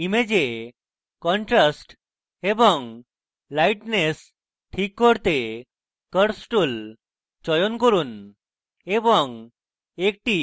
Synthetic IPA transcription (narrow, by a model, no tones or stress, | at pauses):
imed͡ʑe | kɔɳʈɾasʈ | ebɔŋ | lajʈnes | ʈʰikːɔɽt̪e | kəɾsʈul | t͡ʃɔjɔnkɔɾun | ebɔŋ | ek̚ʈi